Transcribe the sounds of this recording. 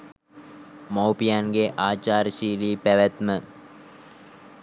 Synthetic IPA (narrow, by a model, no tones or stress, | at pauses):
mowpijanɡeʔaːt͡ʃaːɾəʃiːliːpæʋæt̪mə